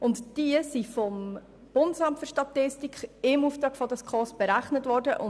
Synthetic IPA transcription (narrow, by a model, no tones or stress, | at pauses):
ʊntd̥iəsifɔm | b̥ʊndəsɑmtføɾʃtɑtɪstikχɪmuːftɾɑːkfɔdəskʰɔsb̥eɾæχnətʋɔːɾdəʔʊ